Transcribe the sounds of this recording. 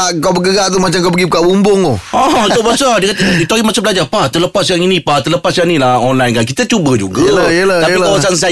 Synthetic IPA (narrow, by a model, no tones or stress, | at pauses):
aʔkawbəɡəɡaʔt̪̬umat͡ʃamkawpəɡipukaʔbumbʊŋt̪uaɦut̪ʊʔ̚basadikat̪əit̪aimasʊʔ̚blad͡ʒapat̪ələpasjaŋinĩpat̪ələpasjanĩlaɔnlajnkank̬it̪at͡ʃubəd͡ʒṵɡalajəlaapikawasans̬a